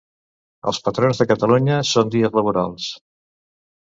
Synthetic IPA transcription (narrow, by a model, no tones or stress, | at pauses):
ə̰lˠspət̪ɾonzðəkət̪əluɲəsond̪iəzləβ̞uɾa̰lˠs